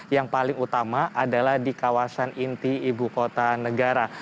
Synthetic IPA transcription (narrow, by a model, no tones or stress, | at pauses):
jaŋpalɪŋut̪amaʔadalahdikawasanint̪iibukot̪anəɡaɾa